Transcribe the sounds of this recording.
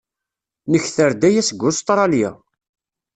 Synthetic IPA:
nəçθəɾd̪æjæsəɡʷːʊst̪ˤɾˤɑljæ̰

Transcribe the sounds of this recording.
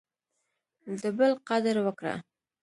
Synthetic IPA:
d̪əbəlqad̪əɾwəkɽa̰

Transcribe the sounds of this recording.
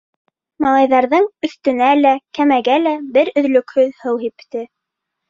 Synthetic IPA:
mɑlˠɑjðɑɾðɤɴɵ̆θt̪ɵ̆nælækæmæɡælæbɘɾɵ̆ðlɵ̆khɵðhɤwɦipt̪ɘ

